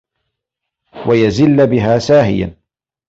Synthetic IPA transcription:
wajazɪlːbɪɦaːsaːɦɪ̰ja̰n

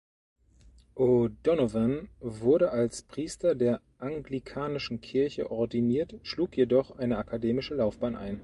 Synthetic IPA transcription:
ʔodɔnovənvʊɐɾəʔalspʁ̥iːstɐdeːɐ | ʔaŋɡlikʰaːnɪʃn̩kʰɪɐçə̰ʔɔɐdiniːɐtʃluːkjedɔχʔaɪnəakʰadeːmɪʃəlaʊfb̥aːnʔa̰ɪn

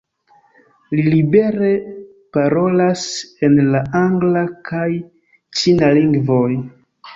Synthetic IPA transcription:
lilibe̞ɾe̞ | paɾo̞lase̞nlaaŋɡlakʰaj | t͡ʃinaliŋɡvoj

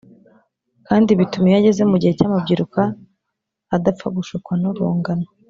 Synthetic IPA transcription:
kaːndiβitumejaɟe̞ze̞muɟihe̞caːmabɟiɾukaː | dap͡faɡuʃukwanuɾṵːŋɡana

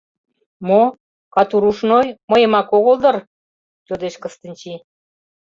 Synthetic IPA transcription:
mo | kɑt̪uɾuʃnojməjə̆mɑkoɣold̪ɤ̆r | t̪ʲod̪eʃkə̆st̪ənʲt͡ɕi

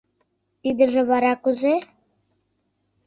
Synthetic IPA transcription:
t̪id̪ɘ̆ʒɘ̆βɑɾɑkuze

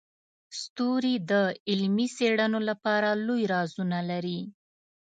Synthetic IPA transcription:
st̪oɾid̪əɪlmiseɽanolapɑɾalojɾɑzunalaɾi

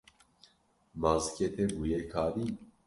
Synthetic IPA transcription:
maːzkʲet̪ebuːjekʰaːd̪i

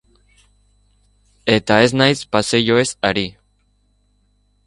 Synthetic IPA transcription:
e̞t̪ae̞znajspaseʝoe̞saɾi

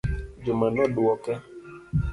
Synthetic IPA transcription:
d͡ʒumanɔduwɔkɛ

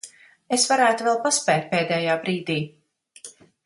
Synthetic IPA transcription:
esvaɾæːt̪uvɛlˠpaspɛːt̪̚ʲpɛːd̪ɛːjaːbɾiːd̪iː

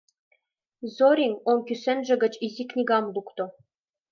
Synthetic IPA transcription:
zoɾʲiŋonkysɘ̆nʒɘ̆ɡɘ̆t͡ɕizʲiknʲiɡɑmlˠukt̪ŏ

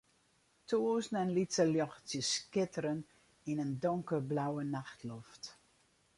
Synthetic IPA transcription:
tʰoːznɛnlitsəljɔxtjəskɪtəɾən | inəndɔŋkəblawənaxtʰlɔft

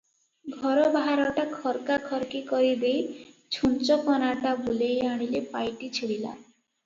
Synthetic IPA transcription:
ɡʱɔɾɔbaɦaɾɔʈakʰɔɾkakʰɔɾkikɔɾid̪ej | t͡ʃʰunt͡ʃɔkɔnaʈabʱulejaɽ̃ilepajʈit͡ʃʰiɽila̰

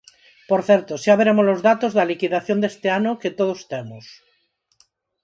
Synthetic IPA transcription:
poɾθɛɾt̪oʃaβeɾemozlozðat̪ozðɐlikiðaθjond̪est̪eanoket̪oð̞ost̪emos

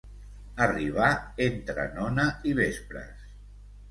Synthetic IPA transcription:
əriβ̞aent̪ɾə̰nɔnəiβespɾə̰s

